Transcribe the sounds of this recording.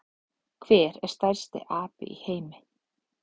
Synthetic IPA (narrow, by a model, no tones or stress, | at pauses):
kʰv̥ɛːɾɛ̰ɾ̥st̪aɾ̥st̪ɪ̰ʔaːpɪ̰ʔiheːjmɪ